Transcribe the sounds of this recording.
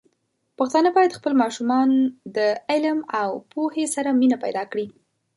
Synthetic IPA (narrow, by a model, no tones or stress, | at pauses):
paxt̪ɑnəbɑjad̪xpəlmɑʃumɑnd̪əɪlmawpohesaɾaminapa̰jd̪ɑkɽi